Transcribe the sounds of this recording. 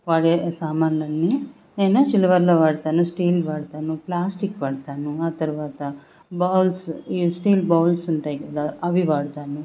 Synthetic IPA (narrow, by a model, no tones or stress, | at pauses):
ʋaːɽesaːmaːnlɐnːi | neːnɐʃilʋɐɾlɐʋaːɽt̪aːnusʈiːlʋaːɽt̪aːnuplaːsʈikʋaːɽt̪aːnuaːt̪ɐɾʋaːt̪ɐ | baːlsiːsʈiːlbaːlsɐnʈɐjɡed̪ɐɐʋiʋaːɽt̪aːnu